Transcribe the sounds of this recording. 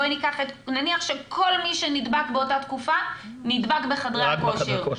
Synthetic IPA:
ojnikaχet̪naniaχʃekʰo̞lmiʃenid̪bakbeo̞tat̪kufa | nid̪bakbeχadʁekoʃeʁ

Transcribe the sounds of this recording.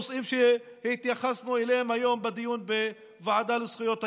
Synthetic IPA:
sʔiːmʃe | hɪt̪jaxasnuelehemhajoːmbad̪ijuːnbe | vaʕad̪alusχijot̪ha

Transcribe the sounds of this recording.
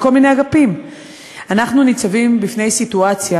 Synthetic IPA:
ko̞lmineaɡapim | anaχnunit͡savimbifne̞jsituat͡sja

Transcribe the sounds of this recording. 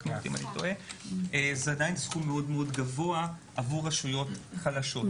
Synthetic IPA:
nt̪ḭma̰nit̪o̞̰ʔeezeadajnsχumːeo̞dmeo̞dɡavo̞aʔavuʁaʃujo̞t̪χalaʃo̞t

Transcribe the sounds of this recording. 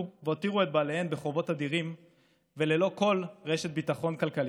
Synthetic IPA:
veot̪iʁuet̪̚baːlehenbeχo̞vo̞tad̪iʁim | ve̞le̞lo̞ko̞lʁeʃet̪̚bitaχo̞nkalkali

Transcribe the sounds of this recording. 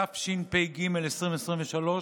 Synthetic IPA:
afʃinpejɡimelesʁĩɱvesʁimveʃalo

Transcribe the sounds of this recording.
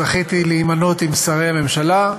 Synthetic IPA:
aχit̪iliːmanot̪imsaʁehame̞mʃala

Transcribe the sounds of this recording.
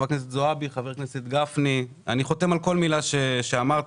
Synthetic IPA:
aknes̬et̪zoabiχaveʁknese̞t̪ɡafni | a̰niχo̞t̪emalko̞lmilaʃeʃeamaʁt

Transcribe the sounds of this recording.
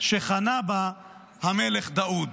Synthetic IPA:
ʃeχanaba | hameleχd̪aud̪

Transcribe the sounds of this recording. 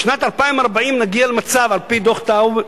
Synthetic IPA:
ʃnat̪alpaimaʁbaimnaɡialemat͡savalpid̪oχt̪av

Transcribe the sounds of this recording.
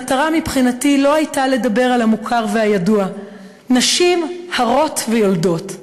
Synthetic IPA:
ataʁamipχinatilo̞ajtale̞dabe̞ʁalhamukʰaʁvehajadua | naʃimhaʁo̞tvejo̞ldo̞t

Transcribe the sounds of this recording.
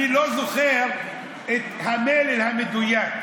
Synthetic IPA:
ilozʊxeːɾ | ɪt̪hameːlɪlhamɪd̪ʊjaːt̪

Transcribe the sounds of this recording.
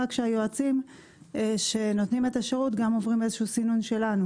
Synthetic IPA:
akʃeajoat͡sim | ʃe̞no̞t̪nime̞t̪aʃeʁut̪ɡamo̞vʁime̞zeʃuusinunʃe̞lanu

